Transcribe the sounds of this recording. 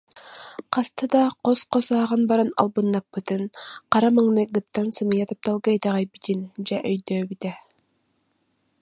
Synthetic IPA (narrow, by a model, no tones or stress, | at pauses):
qɑst̪ʰɯd̪ɑqosqosɑːʁɑnbɑɾanɑ̰lˠbɯnːɑpːɯt̪ɯnqɑɾɑmɯŋnɯɡɯt̪ːɑnsɯmɯjɑt̪ɯp̚t̪ɑlˠɡajd̪ɑʁɑjbit̪ind͡ʒɛʔœjd̪øːbit̪ɛ